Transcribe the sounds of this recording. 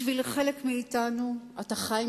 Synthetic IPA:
vilχe̞lekmiːtanuataχaj

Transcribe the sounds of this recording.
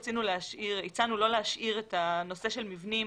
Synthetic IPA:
t͡sinuleaʃʔiʁit͡sanulo̞leɦaʃiʁetano̞se̞ʃe̞lmivni

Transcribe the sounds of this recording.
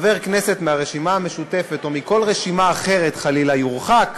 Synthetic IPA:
ve̞ʁkne̞se̞t̪meaʁeʃimaame̞ʃute̞fe̞t̪omiko̞lʁeʃimaːχe̞ʁet̪χalilajuʁχak

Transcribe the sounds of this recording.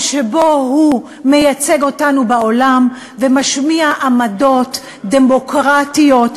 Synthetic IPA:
ʃebo̞hu | me̞jat͡se̞ɡo̞tanubaolam | vemaʃmiaʔamado̞t̪ | d̪emo̞kʁatijo̞t

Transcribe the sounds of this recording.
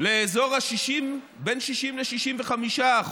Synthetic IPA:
leːzo̞ʁhaʃiʃim | benʃiʃimleʃiʃimveχamiʃaːχ

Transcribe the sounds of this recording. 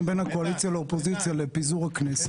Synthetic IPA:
mbe̞nhako̞alit̪t͡sjaleopo̞zitt͡sjalepizuʁhaknes

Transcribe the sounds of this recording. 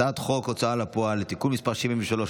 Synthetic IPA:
aat̪χo̞kot͡saalapoalet̪ikulmispaʁʃivimveʃalo

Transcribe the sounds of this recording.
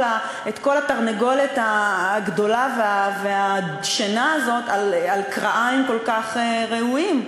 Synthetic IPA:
la | etko̞lataʁneɡo̞letaːɡdo̞laveavea | ʃenaːzo̞talalkʁaʔaimko̞lkaχeʁeuim

